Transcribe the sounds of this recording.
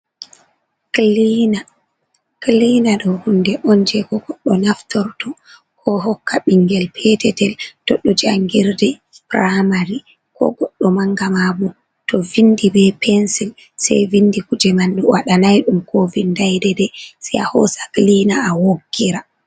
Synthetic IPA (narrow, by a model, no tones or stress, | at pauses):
klina | klinaɗɔhundɛʔɔnd͡ʒɛkɔɡɔɗːɔnaftɔɾtɔ | kʰɔɦɔkʰːaɓiŋɡɛlpʰɛtɛtɛltɔɗɔd͡ʒaŋɡiɾdɛ | pɾamaɾi | kɔ̰ɡɔɗːɔmaŋɡamabɔ | tɔvindibɛpʰɛnsil | sa̰jvindikud͡ʒɛmandɔwʔaɗanajɗumkovindajdɛdɛsija̰hɔ̰saklinaːwoɡːiɾa